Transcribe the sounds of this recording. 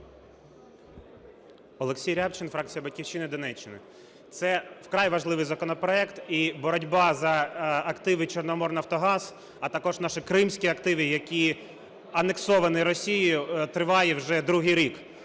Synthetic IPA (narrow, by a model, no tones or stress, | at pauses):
ɔlˠeksʲijɾʲapt͡ʃɪnfɾɑkt͡sʲijɐbɐtʲkʲiwʃɪnɪd̪ɔnɛt͡ʃːɪnɪ̰ | t̪sɛwkɾɑjʋɐʒlˠɪʋɪjzɐkɔnɔpɾɔɛkt̪ibɔɾɔdʲbɑzɐɐkt̪ɪʋɪt͡ʃɔrnɔmɔrnɐwt̪ɔɦɑz̥ | ɐt̪ɐkɔʒnɑʃɪkɾɪmsʲkʲiɐkt̪ɪʋɪjɐkʲi | ɐneksɔʋɐnɪɾɔsʲijʊjʊt̪ɾɪʋɑjɛwʒɛd̪ɾuɦɪjɾʲik